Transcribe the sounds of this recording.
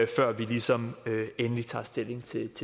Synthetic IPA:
fɶɐ̰ʋilisɒ̽møenəlit͡sʰɑ̰̈ːsd̥e̝le̝ŋt͡sʰe̝t͡sʰe

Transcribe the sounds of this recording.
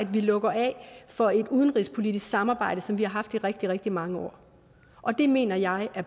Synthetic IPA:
æd̥ʋilɔ̽ɡ̥ɐʔɛ̰fɒ̽e̝d̥uð̞ˠən̩ʁispʰo̝lid̥isɡ̥sɑ̈mɑ̈ːbɑ̈ɪ̰ɾ̥əsɒ̽mʋihɑ̈ɦɑ̈fd̥iʁɛɡ̥̚d̥iʁɛɡ̥̚d̥imɑ̈ŋəɒ̰ː | ʔɒ̽d̥e̝me̝̰ːnɐjɑ̈ɪæɐ

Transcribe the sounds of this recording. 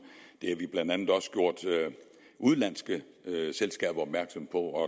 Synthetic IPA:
d̥e̝æʋib̥lænd̥ænð̩ˠɒ̽sɡ̥jo̝ɐ̰d̥ | ʔuðˠlæn̰sɡ̥ə | selsɡ̥ɛ̰ːb̥ɐɒ̽b̥̚mæɐɡ̥sɒ̽mpʰɒ̽ɒ̽

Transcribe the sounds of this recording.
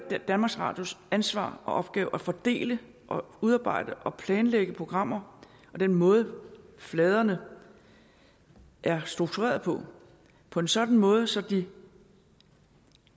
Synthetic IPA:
d̥ænmɑ̈ɡ̥sʁɑ̰̈d̥josænsʋɑ̰̈ːʔɒ̽ʔɒ̽b̥̚ɡ̥ɛːʊʔæfɒ̽d̥e̝̰ːlə | ʔɒ̽uð̞ˠɑ̈ːb̥ɑ̈ɪ̰d̥əʔɒ̽pʰlɛːnleɡ̥əpʰo̝ɡ̥ʁɑ̈m̰ɐ | ʔɒ̽d̥enmɔ̽ːð̞ˠəflɛːð̞ˠɐnə | ʔæɐsd̥ʁuɡ̥̚t͡sʰuʁḛːɐðˠpʰɒ̽ | pʰɒ̽e̝nsɒ̽d̥n̩mɔ̽ːð̞ˠsɒ̽d̥i

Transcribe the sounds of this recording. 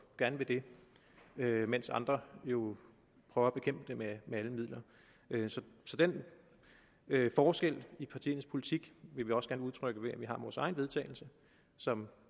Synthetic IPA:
ɡ̥æɐnəʋe̝d̥e̝ | ømensɑ̈nd̥ʁɐjo̝ | pʰʁœʊɐæb̥e̝kʰem̰b̥əd̥ememeæləmið̰ˠlɐ | ʔøsɒ̽sɒ̽d̥en | øfɒːsɡ̥el̰ipʰɑ̈t͡sʰḭːn̩ˠspʰo̝lit͡sʰiɡ̥ʋe̝ʋiɒ̽sɡ̥æɐnəuðˠt͡sʰʁœɡ̥əʋe̝æʋiɦɑ̈ʋɒːsɑ̈ɪnʋe̝ð̞ˠt͡sʰɛ̰ːɪl̩sə | sɒ̽m

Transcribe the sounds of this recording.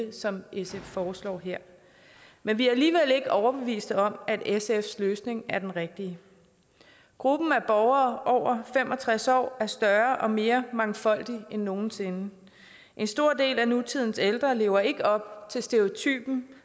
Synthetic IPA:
sɒ̽mʔeseffɒːslɒ̰ːɦeɐ̰ | menʋiææliːʋel̰e̝ɡ̥əʔɒʊɐb̥e̝ʋḭːsd̥əɒ̽mæd̥esefsløːsne̝ŋæɐd̥enʁeɡ̥̚d̥iə | ɡ̥ʁub̥n̩æb̥ɒʊɐːʔɒʊ̰ɐfem̰ʔɒ̽t͡sʰʁasɒ̰ːæɐsd̥ɶɐʔɒ̽me̝ːɐmɑ̈ŋfɒ̽l̰d̥ienːo̝ːn̩se̝nə | ʔe̝nsd̥o̝ɐ̰d̥e̝̰ːlænut͡sʰið̰ˠn̩seld̥ʁɐle̝ːʊɐe̝ɡ̥əɒ̽b̥̚t͡sʰe̝lsd̥e̝o̝t͡sʰy̰ːb̥n̩

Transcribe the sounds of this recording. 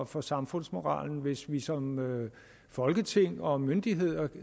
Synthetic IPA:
fɒ̽sɑ̈mfɔ̽n̰smo̝ʁɑ̰̈ːln̩ʋe̝sʋisɒ̽mø | fɒ̽lɡ̥ət͡sʰe̝ŋ̰ɒ̽mønd̥iɦe̝ð̞̰ˠɐ

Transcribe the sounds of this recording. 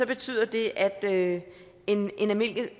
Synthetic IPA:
sɒ̽b̥e̝t͡sʰy̰ːðˠɐd̥e̝ʔæd̥ø | e̝nʔe̝næmel̰ɡ̥ə

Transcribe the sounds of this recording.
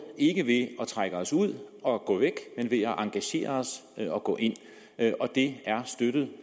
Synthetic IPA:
e̝ɡ̥əʋe̝ɒ̽t͡sʰʁaɡ̥əɒ̽suð̞̰ˠɒ̽ɡ̥ɔ̰ːʋeɡ̥menʋe̝ɒʔɑ̈ŋɡ̥æɕe̝̰ːɐɒsɒ̽ɡ̥ɔ̰̽ːʔe̝n̰ | ʔɒ̽d̥e̝æɐsd̥ød̥ð̩ˠ

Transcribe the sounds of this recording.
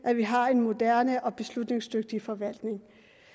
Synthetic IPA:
ʔæʋiɦɑ̈e̝nmo̝d̥æɐnəʔɒ̽b̥e̝slud̥ne̝ŋsd̥øɡ̥̚d̥ifɒ̽ʋæl̰d̥ne̝ŋ

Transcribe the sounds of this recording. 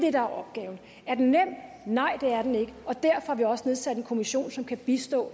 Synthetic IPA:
d̥e̝ɾ̥ɑ̈æɐɒ̽b̥̚ɡ̥ɛːʊn̩ | æɐd̥ennem̰d̥ | nɑ̈ɪ̰d̥e̝æɐd̥ene̝ɡ̥əɒ̽d̥æɐ̰fɒhɑ̈ʋiɒ̽səne̝ð̞ˠsæd̥e̝nkʰo̝miɕo̝̰ːnsɒ̽mkʰæb̥isd̥ɔ̰̽ː

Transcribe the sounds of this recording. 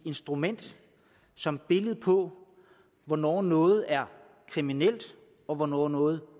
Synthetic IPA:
e̝nsd̥ʁumen̰d̥ | sɒ̽mb̥e̝ləð̩ˠpʰɒ̽ | ʋɒnɒ̰ːnɔ̽ːð̞̩ˠæɐ | kʰʁiminel̰d̥ | ɒ̽ʋɒnɒ̰ːnɔ̽ːð̩ˠ

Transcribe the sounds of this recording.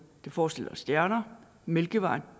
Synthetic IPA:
d̥e̝fɒːsd̥e̝l̰ɐsd̥jæɐnɐ | melɡ̥əʋɑ̈ɪ̰n

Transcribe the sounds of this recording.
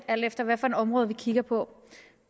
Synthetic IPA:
æl̰d̥efd̥ɐʋæfɒ̽enɒ̽mʁɔːð̩ˠʋikʰiɡ̥ɐpʰɒ̽

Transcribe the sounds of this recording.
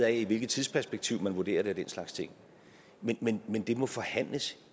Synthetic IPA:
æiʋe̝lɡ̥ð̩ˠt͡sʰið̞ˠspʰæɐsb̥eɡ̥̚t͡sʰiʊmænʋuɐd̥e̝̰ːɐɾe̝æd̥enslɑ̈ɡ̥st͡sʰe̝ŋ̰ | menmenmend̥e̝mɒ̽fɒ̽hæn̰ləs

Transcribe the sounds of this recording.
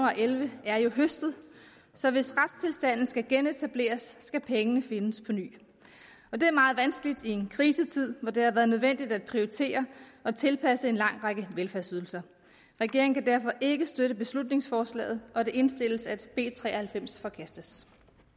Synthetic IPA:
uɑ̈ʔelʋəæɐjo̝ɦøsd̥ð̩ˠ | sɒ̽ʋe̝sʁad̥st͡sʰe̝lsd̥æn̰n̩sɡ̥æɡ̥enet͡sʰæb̥le̝̰ːɐsːɡ̥æpʰeŋənəfe̝nəspʰɒ̽ny̰ː | ɒ̽d̥e̝æɐmɑ̈ːð̞̩ˠʋænsɡ̥əlid̥ie̝nkʰʁiːsət͡sʰið̰ˠʋɒd̥e̝hɑ̈ʋæːɐð̞̩ˠnøð̞ˠʋen̰d̥id̥æd̥̚pʰʁioʁit͡sʰe̝̰ːɐɒ̽t͡sʰe̝lpʰæsəe̝nlɑ̈ŋ̰ʁɑɡ̥əʋelfæɐsyð̞ˠl̩sɐ | ʁɛɡ̥e̝ɐŋ̩kʰæd̥æɐ̰fɒ̽ʔe̝ɡ̥əsd̥øɾəb̥e̝slud̥ne̝ŋsfɒːslɛ̰ːð̩ˠɒ̽d̥eʔe̝nsd̥e̝l̰əsæd̥b̥e̝̰ːt͡sʰʁɛ̰ːɐhælfem̰sfɒ̽kʰæsd̥əs

